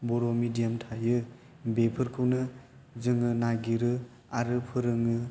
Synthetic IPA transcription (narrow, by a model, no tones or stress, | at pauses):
bɔɾomidijamtʰajɯ | bepʰɯɾkʰɯwnɯ | zɯŋɯnaɡiɾɯ | aɾɯpʰɯɾɯŋɯ